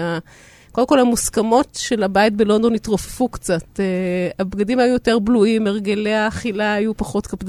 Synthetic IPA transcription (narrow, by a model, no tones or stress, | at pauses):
a | kodemkolhamuskamo̞tʃe̞labait̚belo̞nd̪o̞nit̪ʁo̞fe̥fukt͡sateabɡadimhajujote̞ʁbluimeʁɡeleaːχilaːjupaχo̞tkapd